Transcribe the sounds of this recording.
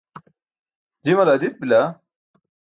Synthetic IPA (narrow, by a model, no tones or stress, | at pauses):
d͡ʑimɐlad̪it̪̚bila